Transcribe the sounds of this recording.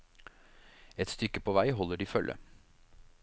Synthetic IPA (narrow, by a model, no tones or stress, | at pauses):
ɛt̪st̪ʏkːəpʰɔʋæɪɦɔlːəɖiːfœlʔə̰